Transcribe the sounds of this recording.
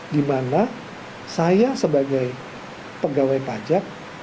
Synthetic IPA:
dimana | sajasəbaɡaj | pəɡawajpad͡ʒak̚

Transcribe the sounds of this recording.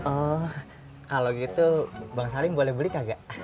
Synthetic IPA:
ʔɔ | kaloɡit̪ubaŋsalibolɛhbəlikaɡaʔ

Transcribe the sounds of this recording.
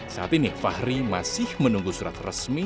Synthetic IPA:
sat̪inefahɾimasɪhmənuŋɡusuɾa̰t̪rə̰smi

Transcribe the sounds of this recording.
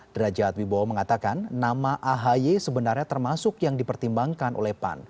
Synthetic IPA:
d̥ɾad͡ʒat̪̚wiboməŋat̪akanːamaʔaɦajesəbənarɲat̪ərmasʊkjaŋdipərt̪imbaŋkanʔo̰lɛhpa̰n

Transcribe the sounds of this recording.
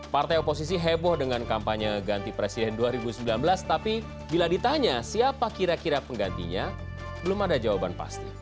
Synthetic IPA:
part̪ajopos̬is̬iɦebɔhdəŋankampaɲəɡant̪ipɾesidɛnduaɾibusəmbilanbəlast̪api | biladit̪aɲasiapakiɾakiɾapəŋɡant̪ḭɲa | b̥əlʊmadad͡ʒawabanpa̰st̪i

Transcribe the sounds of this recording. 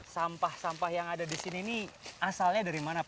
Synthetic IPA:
sampahsampahjaŋadadisiniːniasalɲadaɾimana

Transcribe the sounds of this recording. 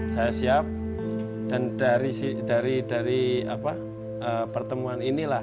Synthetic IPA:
sajasiap̚ | d̥andaɾisidaɾidaɾiapa | əpərt̪əmuaninila

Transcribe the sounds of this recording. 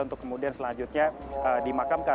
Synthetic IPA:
unt̪ʊ̥kːəmudiansəlaɲd͡ʒʊt̪̚ɲa | ədimakamka

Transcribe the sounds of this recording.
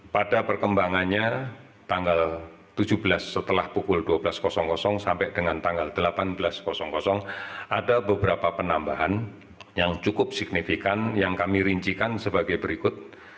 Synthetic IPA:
padapərkəmbaŋanɲa | t̪aŋɡal | t̪ud͡ʒuhbəlasːət̪əlahpukʊlduabəlaskɔsɔŋkɔsɔŋsampɛʔdəŋant̪aŋɡald̥əlapanbəlaskɔsɔŋkɔsɔŋʔadabəbəɾapapənambaɦan | jaŋt͡ʃukʊp̚sɪɡ̥̚nifikanjaŋkamiɾiɲt͡ʃikansəbaɡajbəɾikʊt̪̚

